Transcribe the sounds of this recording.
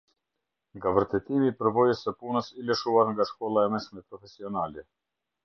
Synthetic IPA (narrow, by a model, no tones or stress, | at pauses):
ŋɡavəɾt̪ɛt̪imipəɾvɔjəsəpunəsiləʃuaɾŋɡaʃkɔlˠaɛmɛʃmɛpɾɔfɛsiɔnalɛ